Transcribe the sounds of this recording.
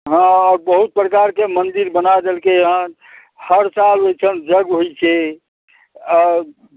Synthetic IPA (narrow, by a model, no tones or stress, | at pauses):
ɦãɔːɾbəɦut̪̚pɾəkaɾkemənd̪iɾbənad̪elkeɦə̃ | həɾsalojt͡ʃʰənd͡ʒəɡɦojt͡ʃʰɛ | ɔːɾ